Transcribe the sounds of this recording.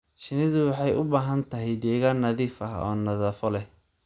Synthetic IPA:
ʃɪnɪðʊwɑħɑjʔʊbaːɦɐnt̪ʰɐɦɛjd̪ɛːɣaːnːɐðiːfɐɦɔ̰ːnɐðaːfɔlɛ

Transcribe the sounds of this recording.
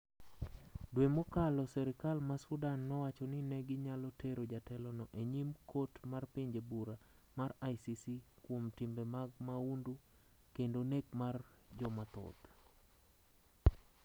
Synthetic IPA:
dwemokalɔsɛɾɪkalmasudanːɔwat͡ʃɔninɛɡɪɲalɔtʰeɾod͡ʒatɛlɔnɔʔeɲimkʰotmarpiɲd͡ʒebuɾa | marajsisikwomtimbemaɡmaundu | kendonekmard͡ʒɔmat̪ɔ̰t̪

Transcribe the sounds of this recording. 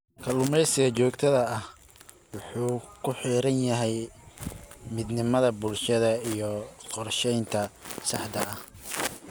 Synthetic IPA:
kʰɐlʊmɛjsɪɣɐt͡ʃɔːɡt̪ʰɐðɐɐh | wʊħuːkʰʊħiːɾɐnjɐɦɛj | mɪd̪nɪmɐðɐbʊlʃɐðɐijɞqɔrʃɛjnt̪ʰɐsɑħd̪ɐɐh

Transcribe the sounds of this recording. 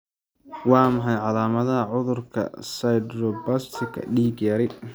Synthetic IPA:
wɑːmɐħɑjʕɑlaːmɐðɐɦɐʕʊðʊrkʰɐ̰sɐjd̪ɾɔbɐst̪ʰɪkʰɐ̰ɖiːɡjaːɾɪ

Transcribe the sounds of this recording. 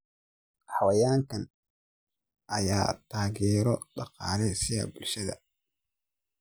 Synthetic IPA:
ħɑwɐjaːŋkʰɐn | ʔɐja̰ːt̪ʰaːɣɛːɾɔɖɑqɑːlɛsɪɣɐ̰bʊlʃɐðɐ̰

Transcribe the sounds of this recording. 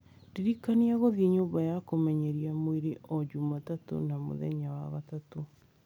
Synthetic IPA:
ndeɾikaniaɣoðieɲoːmbajakomɛɲɛɾiamweɾeʔɔd͡ʒumatato̰namo̰ðɛ̰ɲawa̰βatato

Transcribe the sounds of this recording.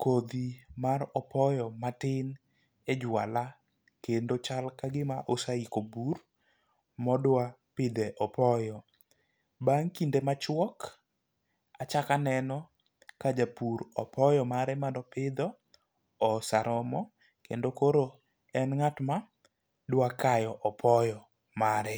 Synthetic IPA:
kʰod̪imaɾɔpɔjɔmatɪn | ed͡ʒwala | kendot͡ʃalkaɡɪmaʔosaikobur | mɔdwa | pɪd̪eʔɔpɔjɔ | baŋkindemat͡ʃwɔk | at͡ʃakanɛnɔ | kad͡ʒapuɾɔ̰pʰɔjɔmaɾɛmandɔpɪd̪ɔː | saɾɔmɔ | kḛndokoɾo | ɛnŋatma | dwakajɔʔɔpʰɔjɔ | maɾɛ

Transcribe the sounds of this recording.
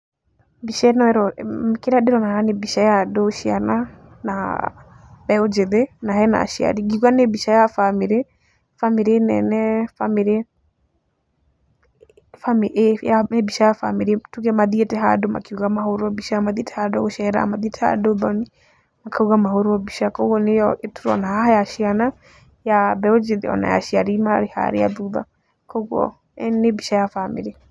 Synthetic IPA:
biʃɛnɔɛɾɔmkeɾaɗeɾɔnahanebiʃajadoʃia̰na | na̰ | bɛod͡ʒeðenaɦɛna̰ʃia̰ɾiɡiuɣanebiʃajafamiɾe | famiɾenɛ̰nɛfamiɾe | famiʔjanebiʃajafamiɾetuɣɛmaðietɛɦadɔma̰keuɣamahoɾɔbiʃaamaðiɛtɛ̥hadoʃɛɾa̰maðiɛtʰɛa̰dobɔni | makʰauɣamahoɾoɔbiʃakɔɣɔnejɔʔetuɾɔ̰nahahajaʃiana | jabɛod͡ʒeðḛɔ̰na̰ja̰ʃiaɾimaɾeha̰ɾḛja̰ðuða̰ | kɔɣɔ̰ | ɛnebiʃajafamḭɾe

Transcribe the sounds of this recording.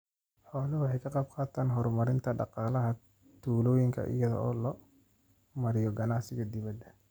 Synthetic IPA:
ħɔːlɐwɑħɑjkʰɐqɑb̚qɑːt̪ʰaːnɦɔɾmɐɾɪnt̪ʰɐɖɑ̰qɑːlɐɦɐ | t̪ʰuːlɔːjɪŋkʰɐ̰ʔɪ̰jɐðɔ̰ɔːlɔ | mɐɾɪjɔɡɐnaʕsɪɣɐd̪ɪβɐd̪ːɐ

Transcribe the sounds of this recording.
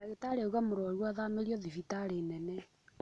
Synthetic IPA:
aɣetaɾeoɣamoɾɔɾwaðameɾjɔðivitaɾenɛnɛ

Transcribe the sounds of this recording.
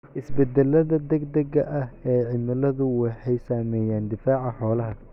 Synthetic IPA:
ʔɪsbɛd̪ɛlɐðɐd̪ɐɡd̪ɐɡɐʔɐhɛːʕɪmɪlɐðʊwɑħɑjsaːmɛːjaːnd̪ɪfaːʕɑħɔːlɐɦɐ

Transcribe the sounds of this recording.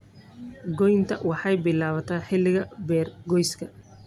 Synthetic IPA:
ɡɔjnt̪ʰɐwɑħɑjbɪlaːβɐt̪ʰaːħɪlːɪɣɐbɛːrɡɔjskʰɐ

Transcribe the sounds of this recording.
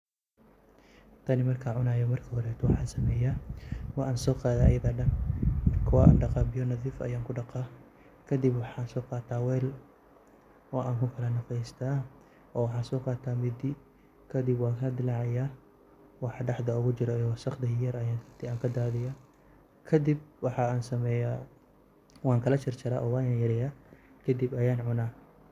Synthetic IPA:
t̪ʰɐnɪmɐrkʰaʕʊnaːjɔmɐrkʰɐhɔɾɛt̪ʰɔwɑħɑːnsɐmɛːjawɑaːnsɔːqɑːðajɐðaːɖɐnmɐkʰʊwaːʔa̰ːnɖɑqɑbɪjɔnɐðiːfɐ̰jaːŋkʰʊɖɑqɑ | kʰɐd̪ɪbwɑħɑːnsɔːqɑːt̪ʰaːwɛːl | ɑːʔaːŋkʰʊkʰɐlɐnɐfɛst̪ʰaː | ʔɔːwɑħɑːnsɔːqɑːt̪ʰaːmɪd̪ɪ | kʰɐd̪ɪbwɑːkʰɐd̪ɪlɑʕɪjaː | wɑħɖɑħd̪ɐʊɣʊt͡ʃɪɾɔjwɑːsɐqd̪ɐɦɪjɐɾɐjaːnt̪ʰɪaːŋkʰɐd̪aːðɪja | kʰɐd̪ɪb̚wɑħɑaːnsɐmɛːjaː | wɑːŋkʰɐlɐt͡ʃɪrt͡ʃɐɾa̰ʔɔːwaːjaːnjɐɾɛjaːkʰɐd̪ɪbɐjaːnʕʊnaː

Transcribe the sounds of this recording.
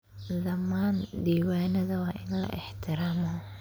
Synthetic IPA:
d̪ɐmːaːnd̪iːwaːnɐðɐwɑːʔɪnlɐ̰ʔɪħt̪ʰɪɾaːmɔ

